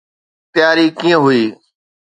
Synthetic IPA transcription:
t̪ɪjaːɾiːkĩːə̃ɦʊiː

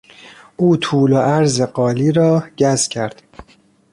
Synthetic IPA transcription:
ʔuːt̪ʰuːloʔæɾzeɢɒːliːɾɒːɟ̥æzcʰæɾd̪̥

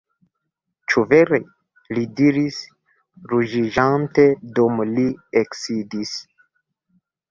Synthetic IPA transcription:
t͡ʃuveɾe | lidiɾis | ɾuʒiʒant̪ed̪omlieksid̪is

